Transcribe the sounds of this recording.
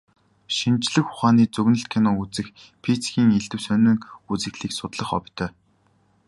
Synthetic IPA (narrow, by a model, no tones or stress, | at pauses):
ʃint͡ɕɮɘ̆kʊ̥χaːniːt͡sɵɣnɘ̆ɬt̪kʰenɔut͡sɘ̆x | pʰit͡sɡʲiːŋeɮt̪ɘ̆wsœnɘ̆kut͡sɘ̆ɣɮiːksʊt̪ɮə̆χɔ̰pʲt̪ʰœː